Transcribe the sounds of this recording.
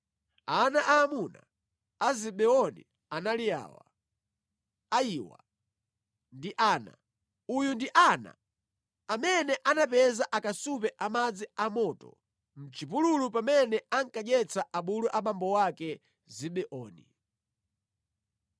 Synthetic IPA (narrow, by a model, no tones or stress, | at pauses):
anaʔaːmuna̰ | aziɓɛɔnḭ | analija̰ːwa̰ | ajiwa̰ | ndiʔaːna̰ | ujundiʔana̰ | amɛnɛʔanapɛzaʔakasupɛʔamad͡ziamɔtɔ̰ | m̩t͡ʃipululupamɛnɛaŋkaɲɛt͡saʔaɓuluʔamambɔwakɛ | ziɓɛʔɔːnḭ